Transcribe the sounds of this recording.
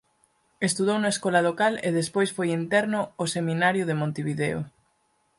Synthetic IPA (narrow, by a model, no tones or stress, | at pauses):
est̪uðownaeskɔlalokaleðespojsfojint̪ɛɾnʊːseminaɾjʊðemõnt̪eβiðeo̰